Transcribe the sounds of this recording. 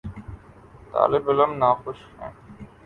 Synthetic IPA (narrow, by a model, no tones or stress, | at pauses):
t̪a̰ːlɪbɪləmnaːxʊʃɦɛ̰̃ː